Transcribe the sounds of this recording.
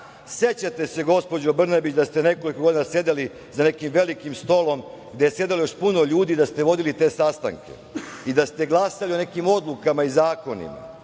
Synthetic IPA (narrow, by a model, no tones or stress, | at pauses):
se̞t͡ɕat̪e̞se̞ɡo̞spo̞d͡ʑobr̩nabit͡ɕd̪ast̪ene̞ko̞likoɡo̞d̪inasje̞d̪eli | zane̞kimʋe̞likimst̪o̞lo̞m | ɡd̪e̞jese̞d̪elojo̞ʃpunoʎuːd̪id̪ast̪e̞ʋo̞d̪ilit̪e̞ːsast̪a̰ŋke̞̰id̪ast̪e̞ɡlˠasalione̞kimo̞d̪lˠukamaizaːko̞nḭma̰